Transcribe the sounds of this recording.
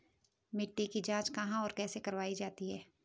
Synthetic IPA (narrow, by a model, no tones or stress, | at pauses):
mɪʈːikid͡ʒãːt͡ʃkɐɦãɔːɾkɛːsekɐɾʋaːid͡ʒaːt̪iɦɛː